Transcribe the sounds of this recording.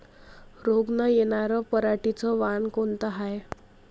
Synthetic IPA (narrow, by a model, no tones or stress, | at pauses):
ɾoɡnəjeɽaɾəpəɾaʈit͡səʋankoɳt̪əɦaj